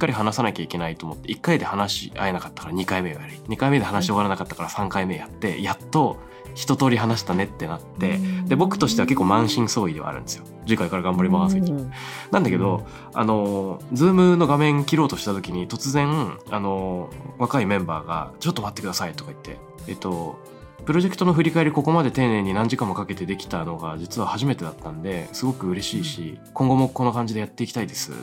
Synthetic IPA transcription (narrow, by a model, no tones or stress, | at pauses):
i̥kːaɾʲiɦanasanakʲaikʲe̞nait̪oːmot̪ːe̞ikːaid̪e̞hanaɕḭa̰e̞nakḁt̪ːḁkaɾaɲ̟ikaime̞βa̰jaɾ̟ɯɲ̟ikaime̞d̪e̞hanaɕioɣaɾanakat̪ːakaɾasãŋkaime̞jat̪ːe̞̰jat̪ːo̞ | çi̥t̪o̞t̪o̞ːɾʲiɦanaɕi̥t̪ane̞t̪ːe̞nat̪ːe̞d̪e̞bo̞kːɯ̟̥t̪o̞ɕi̥t̪e̞ake̞kːo̞ːmãɰ̃ɕĩɰ̃soːid̪e̞a̰ɾɯ̟̰̃nd̪esɨijo̞ | d͡ʑikaikaɾaɡãmbaɾʲimasɨnãnd̪ake̞d̪o̞ | a̰no̞d͡zɨːmɯ̟no̞ɡamẽ̞ŋkʲiɾo̞ːt̪o̞ɕi̥t̪at̪o̞kʲiɲ̟it̪o̞t͡sɨzẽ̞ɴano̞βakaimẽ̞mba̰ːɡa̰t͡ɕo̞t̪ːomat̪ːe̞kɯ̟d̪asait̪o̞kai̥t̪ʰːe̞̰ː | t̪ːo̞ | pɯ̟ɾo̞ʑe̞kɯ̥t̪o̞no̞ɸɯɾʲikaeɾʲiko̞ko̞mad̪e̞t̪e̞ːnẽ̞ɲ̟ːinãɲd͡ʑikãmːo̞kake̞t̪e̞d̪e̞kʲi̥t̪ano̞ɡad͡ʑit͡sɨβ̞ahaʑime̞t̪e̞d̪at̪ːãnd̪e̞sɨɡo̞kɯ̟ɯ̟ɾe̞ɕiːɕikõ̞ŋɡo̞mo̞kono̞kãɲ̟d͡ʑid̪e̞jat̪ːe̞iki̥t̪aid̪e̞sɨ̰